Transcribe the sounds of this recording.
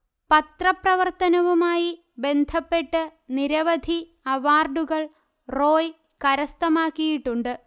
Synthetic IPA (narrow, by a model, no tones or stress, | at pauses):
pɐt̪rɐprɐʋɐrt̪ɐnɐʋumaːji | be̞nd̪ʱɐpːe̞ʈːɨniɾɐʋɐd̪ʱi | ɐʋaːrɖuɣɐɭ | ro̞ːj | kɐɾɐst̪ɐmaːkːijiʈːuɳɖɨ